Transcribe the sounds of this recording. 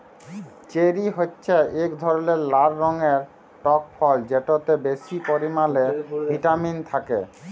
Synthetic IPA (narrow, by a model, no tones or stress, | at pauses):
t͡ɕeɾiɦotːɕʰeʔekd̪ʱɔɾoleɾlaɾːɔŋeɾ | ʈɔk̚fʰɔld͡ʑeʈot̪ebesipoɾimalebʱiʈamint̪ʰakḛ